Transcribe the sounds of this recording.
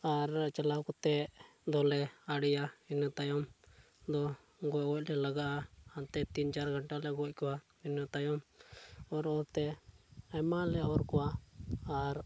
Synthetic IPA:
aɾt͡ʃalakɔt̪ɛ | d̪ɔlɛaɽijainɔt̪ajɔm | d̪ɔ | ɡɔɡɔc̚lɛlaɡaʔaant̪ɛt̪int͡ʃaɾɡʱaɳʈalɛɡɔc̚kɔwa | inɔt̪ajɔm | ɔɾɔt̪ɛamalɛɔɾkɔwaaɾ

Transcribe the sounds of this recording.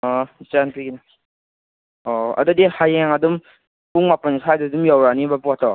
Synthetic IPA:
ɔt͡ʃanpiɡina | ɔɐ̰dudihajaŋadum | puŋmapanikʰajdadumjawɾanibapuatɔ

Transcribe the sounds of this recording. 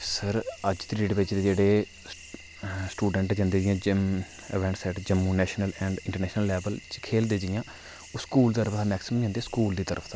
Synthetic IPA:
səɾəd͡ʒt̪ɾeːɖbɪt͡ʃd̪eːd͡ʒeːɽeː | sʈuːɖəɳʈd͡ʒãːnd̪eːd͡ʒɪjãːd͡ʒəm | ə̰ʋɛ̃ːɳʈsɛːʈd͡ʒəmːuːnɛːʃnəlɛ̃ːɳɖɪ̃ɳʈəɾnɛːʃnəlːɛːbəlt͡ʃkʰeːld̪eːd͡ʒɪjãː | oːskuːld̪t̪əɾəpʰt̪ãːmɛːksɪməiãnd̪eːskuːld̪iːt̪əɾʔəpʰt̪ãː

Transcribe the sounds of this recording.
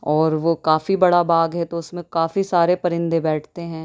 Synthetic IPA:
ɔːɾʋokaːfibɐɽabaːɡɦɛt̪oʊsmẽkaːfisaːɾepɐɾɪ̃nd̪ʱebɛːʈʰt̪eɦɛ̃ː

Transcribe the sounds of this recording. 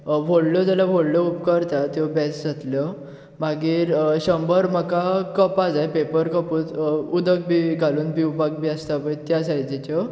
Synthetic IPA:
ʋʱoɽlət̪alabʱoɽləupkəɾt̪at̪jɔbɛsd͡zʱat̪lɔ | maɡiːɾɕəmbəɾm̤akakəpad͡zajpepəɾkəpuːt͡s̪ud̪ək̚biɡʱaluːnbiubaɡ̚biast̪apəjt̪jasaɦid͡ʑet͡ɕɔ

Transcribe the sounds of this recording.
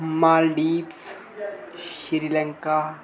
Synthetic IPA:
maːlɖiːps | ʃiɾiləŋka

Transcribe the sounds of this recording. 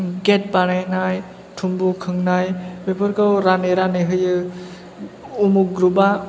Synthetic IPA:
ɡet̚banajnaj | tʰumbukʰɯŋnajbepʰɯɾkɯwɾaneɾanɯɦɯjɯ | umuɡɾuba

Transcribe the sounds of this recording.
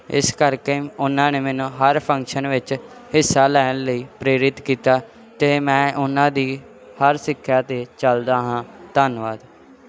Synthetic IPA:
ɪ̰skəɾkeːʊnːãːneːmɛːnũːɦəɾpʰə̃ŋkʃənʋɪt͡ʃ | hɪsːaːlɛːnləiːpɾeːɾɪt̪kiːt̪aː | t̪eːmɛ̃ːʔʊnãːd̪iː | həɾsɪkʰːjaːt̪eːt͡ʃəld̪aːɦãːt̪anʋaːd̪

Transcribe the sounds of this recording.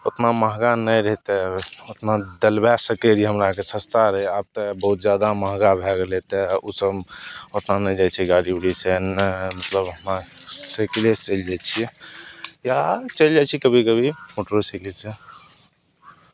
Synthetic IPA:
ot̪naməɦɡanəjɾəɦt̪eot̪nad̪əlbɛsəkeɾiɦəmɾakesə̃st̪aɾəɦiab̚t̪əbəɦut̪̚d͡ʒjad̪aməɦɡabʱɛɡlet̪eusəbot̪nanəjd͡ʒat͡ʃʰiɡaɽibɽisenəmət̪ləbɦəmɾasəklest͡ʃəld͡ʒɛt͡ʃʰiɛ | jat͡ʃəld͡ʒat͡ʃʰikəbʱikəbʱimoʈɾosikese

